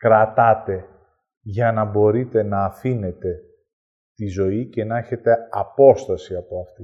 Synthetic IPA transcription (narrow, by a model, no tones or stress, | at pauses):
kɾɐt̪ɐt̪e̞ | ʝɐnɐbo̞ɾit̪e̞nɐːfine̞t̪e̞ | t̪izo̞ice̞nɐçe̞t̪e̞ɐpo̞st̪ɐsiɐpoɐft̪i